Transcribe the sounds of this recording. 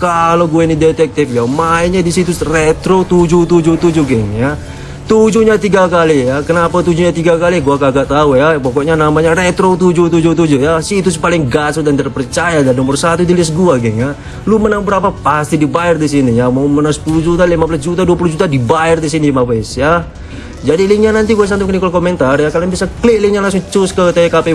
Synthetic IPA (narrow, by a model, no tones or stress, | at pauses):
kaloɡuainidɛt̪ɛk̚t̪ɪfjamaiɲadisit̪urɛt̪ɾot̪ud͡ʒut̪ud͡ʒut̪ud͡ʒuɡɛŋja | t̪ud͡ʒuɲat̪iɡakalijakənapat̪ud͡ʒuɲat̪iɡakaliɡuakaɡat̪aujapɔkɔʔɲanamaɲarɛt̪ɾot̪ud͡ʒut̪̬ud͡ʒut̪̬ud͡ʒujasiit̪usə̥palɪŋɡasʊdant̪ərpərt͡ʃajadanumərsat̪ut̪ilisɡuaɡɛŋa | lumənaŋbəɾapapast̪idibaɛrdisinijamaumənasə̥pulud͡ʒut̪alimabəlas̬d͡ʒut̪̬aduapuluhd͡ʒut̪adibaɛrd̪is̬inimawɛsja | d͡ʒadiliŋɲanant̪iɡuasant̪ukənikɔlkomɛnt̪arjakalaŋbiasaklɪk̚lɪŋɲalaŋs̬ʊŋt͡ʃuskət̪ekape